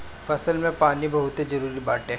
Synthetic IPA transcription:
fɐsəlmẽpaːnibɐɦʊt̪ed͡ʒɐɾuːɾibaːʈẽ

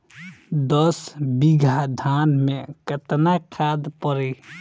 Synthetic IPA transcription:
d̪əsbiɡʱad̪ʱanmẽkət̪nakʰad̪pəɾe

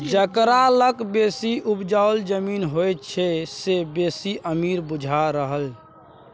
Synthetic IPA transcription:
d͡ʒəkɾaləkbesiʔupd͡ʒaold͡ʒəminɦojt̪t͡ʃʰɛsebesiʔəmiɾbud͡ʒʱaɾəɦəl

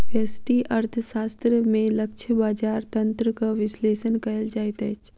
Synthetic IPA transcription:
eːsʈiʔɐɾt̪ʰəʃaːst̪ɾəmẽlɐkʃʰəbaːd͡ʒaːɾt̪ɐ̃nt̪ɾəkaʋɪsleːʃənkɐld͡ʒaːet̪ɛːt͡ʃ

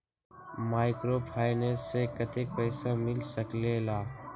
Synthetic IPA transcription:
maːɪkɾopʰaːɪnəɾsekɐt̪ek̚pɛːsamɪlsəklelaː

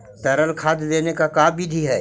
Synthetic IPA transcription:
t̪ɐɾəlkʰaːd̪d̪eːnekakaːbbʱid̪ʱiɦɛː

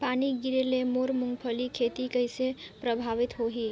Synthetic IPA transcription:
paniɡiɾelemoɾmuŋɡpʰəlikʰet̪ikəɪsepɾəbʱaʋit̪ɦoɦi

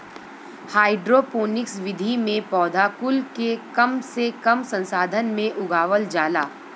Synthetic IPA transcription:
haːɪɖɾopoːnɪksʋɪd̪ʱimẽpɔːd̪ʱaːkʊlkekɐmsekɐmsə̃nsaːd̪ʱənmẽʔʊɡaːʋəld͡ʒaːlaː

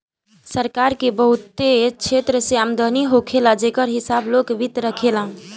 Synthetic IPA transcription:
səɾkaɾkebəɦut̪ːet͡ʃʰet̪ɾəseamd̪əniɦokʰelãd͡ʒekəɾɦisablokʋit̪ɾəkʰelã

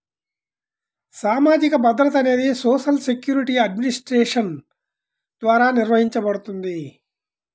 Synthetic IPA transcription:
saːmaːd͡ʒikɐbɐd̪ɾɐt̪ɐne̞ːd̪isoːʃɐlsekjuːɾiʈiɐɖminisʈɾeːʂɐn | d̪̥ʋaːɾaːniɾʋɐɦiɲt͡ʃɐbɐɽut̪und̪i

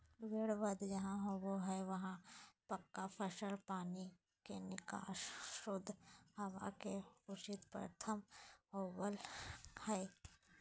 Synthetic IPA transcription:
ʋeːɽʋəd̪d͡ʒɐɦãɦoʋoɦɛʋɐɦãpɐkːapʰəʃəlpaːni | kenɪka̰ːʃʊd̪ʱːhɐwa̰keʊt͡ʃɪt̪pɾə̰t̪ʰəmɦoːbəlhɛː

